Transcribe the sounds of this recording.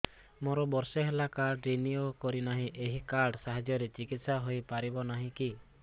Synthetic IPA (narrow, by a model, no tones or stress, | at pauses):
mɔɾɔbɔɾseɦelakaɾɖɾiniokɔɾinaɦĩʔeɦikaɾɖsaɦad͡ʒjɔɾet͡ʃikit̪saɦojpaɾibɔnaɦĩki